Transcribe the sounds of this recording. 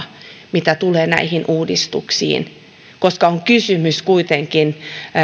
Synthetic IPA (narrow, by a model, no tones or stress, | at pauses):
mit̪æt̪uleːnæ̰ihinʔuːdist̪ṵksḭːn | koskɑoŋkysymyskuit̪eŋkin